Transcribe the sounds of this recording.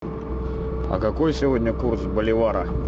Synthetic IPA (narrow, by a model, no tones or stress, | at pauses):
ɐ̰kɐko̞jsʲɪvodʲnʲəkursbəlʲɪvaɾə